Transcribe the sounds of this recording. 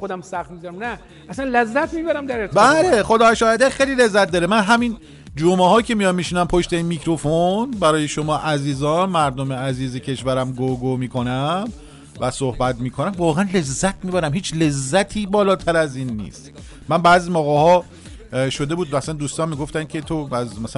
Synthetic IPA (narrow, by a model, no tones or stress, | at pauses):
xod̪æmsæxt̪mizɾæmnæ | æsænlezːæt̪miːbæɾæmd̪æɾet̪bæleχod̪ɒːæʃɒːæd̪æxejliːle̞zːæt̪̚d̪ɒːɾemænɦæmin | d͡ʒomeɦɒːjcʲʰe̞mijɒnmiːʃiːnæmpʰo̞ʃt̪e̞inmiːcʰɾofonbæɾɒːjeʃomɒːʔæziːzɒːnmæɾd̪omeæziːzecʰe̞ʃvæɾæmɡoɡomiːkʰo̞næm | væsohbæt̪miːkʰo̞næmvɒːɣeænle̞zːæt̪ʰmiːbæɾæmhiːt͡ʃʰle̞zːæt̪ʰiːbɒːlɒːt̪ʰæɾæziːnːḭːst̪ | mænbæːziːmoɣɒːhɒː | ʃod̪e̞buːd̪væːsænd̪uːst̪ɒːnmiːɡo̞ft̪æncʰe̞t̪ʰoæzmæs